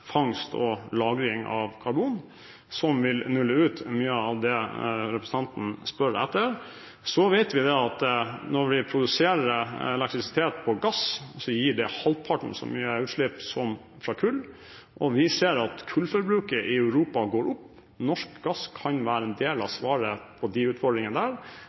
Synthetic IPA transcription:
fɑŋst̪ʰɔ̰lɑːɡɾɪŋɑ̰ʋkʰɑɾbuːn | sɔmʋɪlnʉlːəʉːt̪myːəɑʋd̪ɛɾɛpɾəsn̩ɑnt̪n̩spœɾɛ̰t̪ːəɾ | sɔʋɛɪt̪ʋɪd̪ɛɑt̪nɔɾʋɪpʰɾʊd̪ʉseːɾəɾɛlɛkt̪ɾɪsɪ̥t̪ʰeːt̪̚pʰɔɡɑssɔjiːɖɛhɑlt̪̚pʰɑʈɳ̩sɔ̰myːəʉːt̪ʂlɪpsɔm | fɾɑkʰʉlː | ʔɔʋɪseːɾɑt̪kʰʉlfɔɾbɾʉːkəɾʔɪœʉɾuːpɑɡoːɾʔʊpː | nɔʂkɡɑskʰɑnʋæːɾəɛnd̪eːlɑʋsʋɑːɾəpʰɔd̪ɪʉːt̪fɔɖɾɪŋənəd̪æːɾ

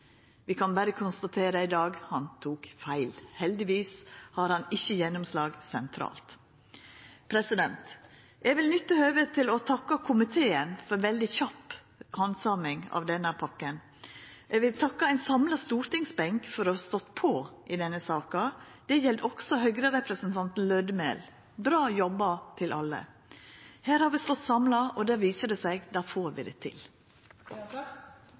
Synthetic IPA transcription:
ʋɪkʰɑnbæɾəkʰʊnst̪ɑt̪ʰeːɾəɪd̪ɑːɡhɑnt̪ʰuːkfæɪlhɛld̪ɪʋiːshɑɾhɑnɪçːəjɛnːʊmslɑːɡsɛnt̪ʰɾɑ̰ːlt̪ | pʰɾɛsɪd̪ɛnt̪ | ʔɛɡʋɪlnʏt̪ːəhœːʋət̪ʰɪlɔt̪ʰɑkːɑkʰʊmɪt̪ʰeːənfɔɾʋɛld̪ɪçɑpː | hɑnsɑmɪŋɑ̰ʋd̪ɛnːəɾpʰɑkːən | ɛɡʋɪlt̪ʰɑkːɑæɪnsɑmlɑst̪uːɾt̪ɪŋsbɛŋkfɔɾɔhɑst̪ɔt̪ːpʰɔʔɪd̪ɛnːəsɑːkɑd̪̥ɛjɛld̪ɔksɔɦœɡɾəɾɛpɾəsnt̪ʰɑnt̪n̩lœd̪mḛːl | bɾɑːjɔbɑt̪ʰɪlʔɑ̰lːə̰ | hæːɾhɑːɾʋɪst̪ɔt̪ːsɑmlɑɔd̪æːɾʋiːsəd̪ɛsæɪɡd̪ɑːfoːɾʋɪ̰d̪ɛ̰t̪ʰɪ̰l

